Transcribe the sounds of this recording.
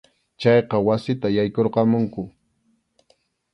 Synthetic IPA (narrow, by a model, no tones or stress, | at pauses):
t͡ʃɑjqɑwasɪt̪ajajkoɾqɑmʊŋkʊ